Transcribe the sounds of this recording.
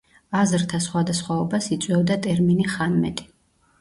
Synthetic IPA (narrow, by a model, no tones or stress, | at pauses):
azɾt̪ʰasχwad̪asχwaɔbasit̪sʼwɛvd̪at̪ʼɛɾminiχanmɛ̰t̪ʼi̥